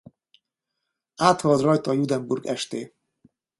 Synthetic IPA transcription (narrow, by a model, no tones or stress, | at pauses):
aːt̪hɒld̪rɒjt̪ɒjud̪ɛmburɡɛʃt̪eː